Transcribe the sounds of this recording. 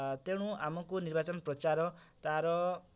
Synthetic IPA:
t̪eɽ̃ũamɔkonirbat͡sɔnprʌt͡ʃaɾɔt̪aɾɔ

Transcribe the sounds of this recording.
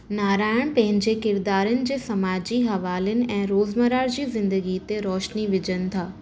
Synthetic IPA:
naːɾaːɪɽ̃pɐ̃ɦɪ̃ɲd͡ʑekɪɾd̪aːɾənɪ̆d͡ʑeːsɐmaːd͡ʑiːɦɐʋaːlənɪ̆ɛ̃ːɾoːzmɐɾaːɾd͡ʑiːzɪ̃nd̪əɡit̪eɾɔːʃniʋɪd͡ʑənɪ̆t̪ʰaː

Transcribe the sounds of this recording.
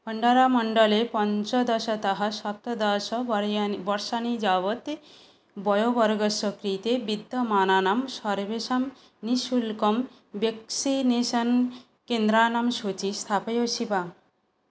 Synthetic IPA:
pʌɳɖaɾamɔɳɖɔlepɔnt͡ʃɔd̪ɔsɔt̪ɔɦasɔt̪ɔd̪ɔsɔbɔɾʃanid͡ʒabɔt̪ | bɔjobɔɾɡɔsɔkɾit̪ebid̪ʱːɔmananamsɔɾbesam | nisulkɔm | beksinesɔn | kend̪ɾanamsut͡ʃist̪ʰapejosiba

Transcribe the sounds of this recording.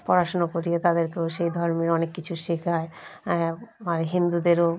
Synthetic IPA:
pɔɾaʃonakoɾiet̪ad̪eɾkeoʃejd̪ʱɔɾmiɾɔnekːit͡ɕʰuʃikʰae | aɾeɦind̪ud̪eɾo

